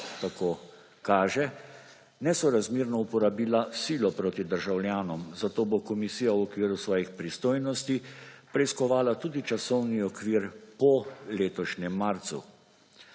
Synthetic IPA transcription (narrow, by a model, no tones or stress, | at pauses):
t̪akoː | kaːʒɛ | nɛsɔɾazmiːɾnɔupɔɾabiːlasiːlɔpɾoːt̪id̪əɾʒawlʲjaːnɔmzat̪oːbokɔmisiːjawɔkʋiːɾusʋɔːjixpɾist̪oːjnɔst̪ipɾɛiskɔʋaːlat̪uːd̪it͡ʃasɔwniɔkʋiːɾpɔleːt̪ɔʃnɛmːaɾt̪sṵ